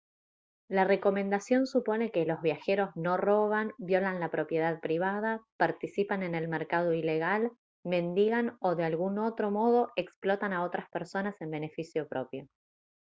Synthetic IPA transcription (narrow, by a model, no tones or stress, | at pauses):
lare̞ko̞mẽ̞nd̪asjo̞nsupo̞ne̞ke̞lo̞zβ̞jaxe̞ɾo̞zno̞ro̞β̞anbjo̞lanlapɾo̞pje̞ð̞aðpɾiβ̞að̞apaɾt̪isipane̞nelmeɾkað̞o̞ile̞ɣal | me̞nd̪iɣano̞ðealɣunot̪ɾo̞mo̞ðo̞ʔe̞ksplo̞t̪anao̞t̪ɾaspeɾso̞nase̞mbe̞ne̞fisjo̞pɾʔo̞pjo̞